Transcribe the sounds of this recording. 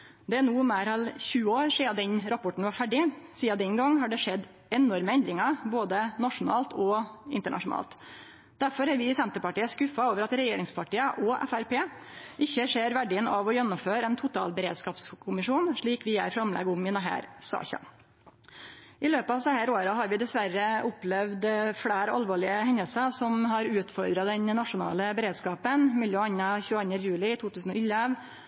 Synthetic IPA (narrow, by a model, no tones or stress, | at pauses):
d̪ɛænuːmæːɾɑlçʉːəoːɾʂeːɑd̪ɛnɾɑpʰɔʈɳ̩ʋɑɾfæɖɪsiːɑd̪ɛnɡɑŋːɦɑɖɛʂɛd̪ | ɛnɔɾməɛnd̪ɾɪŋɑboːd̪ənɑʂʊnɑ̰ːlt̪ʰɔɪ̰nt̪əɳɑ̰ʂʊnɑ̰ːlt̪ | d̪̥æɾfɔɾæɾʋɪsɛnt̪əpɑʈiːəskʉfɑoːʋəɾɑt̪ɾɛjeːɾɪŋspʰɑʈiːəʔɔʔɛ̰fæɾpeːʔɪçːəʂeːɾʋæɖɪənʔɑʋɔjɛnːʊmføːɾɛnt̪ʰʊt̪ʰɑ̰ːlbəɾḛːd̪skɑːpskʰʊmɪʂuːnʂɭiːkʋɪæ̰ɾfɾɑmlɛ̰ɡʊmɪnəɦæ̰ːɾsɑ̰ːçɑ̰ | ʔɪløːpɑʋsɛhæːɾoːɾɑɦɑɾʋɪd̪ɛsʋæɾəʔʊplɛʋd̪fɽæːɾɑ̰lʋoːɭɪəhɛɲːəlsəsɔmɦɑɾʉːt̪fɔɾd̪ɾɑd̪ɛnnɑʂʊnɑ̰ːləbɛɾeːd̪skɑːpənmɪljøːɑnːəçʉːɑnəjʉːlɪt̪ʰuːt̪ʉːsn̩ɔɪlɛʋ